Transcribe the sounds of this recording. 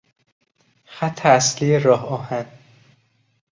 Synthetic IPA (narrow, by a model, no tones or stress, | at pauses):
xæt̪ʰːeæslijeɾɒːhɒːhæn